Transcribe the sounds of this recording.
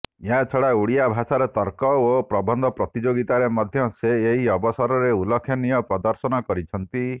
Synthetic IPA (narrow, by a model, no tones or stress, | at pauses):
jãt͡ʃʰɔɽauɽijabʱasaɾet̪ɔɾkɔopɾɔbɔnd̪ʱɔpɾɔt̪id͡ʒoɡit̪aɾemɔd̪ʱjɔseːɦiɔbɔsɔɾɔɾeulɔkʰːjɔnijɔpɾɔd̪ɔɾsɔnɔkɔɾit͡ʃʰɔnt̪i